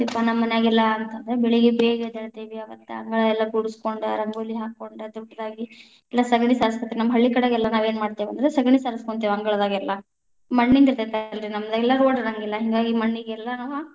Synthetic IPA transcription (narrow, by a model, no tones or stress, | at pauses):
ipːɐnɐmːɐnjaːɡɛlːɐːnt̪ɐnd̪ɐɾebɛɭiɡebeːɡɐd̪ɐɭt̪eʋiɐːɡɐt̪ːḛɐ̰ŋɡɐɭɐɛlːɐɡuɽuskoɳɖɐɾɐŋɡoːlːiɦaːkːoɳɖɐd̪ɔɖːɐd̪aːɡi | ɛlːɐsɐɡɐɳisaːɾɐs̬kɐt̪ːenɐmːɐɦɐɭːikɐɽeɡɛlːɐnaːʋeːnmaːɽt̪eʋɐnd̪ɾesɐɡɳisaːɾɐskoɳt̪ːeːʋiɐŋɡɐɭɐd̪aːɡɛlːɐ | mɐɳːind̪iɾt̪et̪alɾinɐmːɐd̪aɡɛlːɐɾoːɖɾɐŋɡilːɐɦiŋɡaːɡimɐɳːiɡɛlːɐnaʋɐ